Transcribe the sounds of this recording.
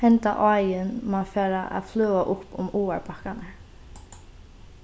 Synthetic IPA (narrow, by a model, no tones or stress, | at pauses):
hɛnt̪a̰ʔɔːjɪnmanfaːɾaʔa̰ðflœːaʔʊpːʊ̰muːaɹpʰahkana